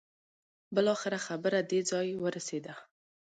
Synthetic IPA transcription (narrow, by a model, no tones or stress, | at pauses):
bəlɑxɪɾaxabəɾad̪ed͡zɑjwəɾased̪a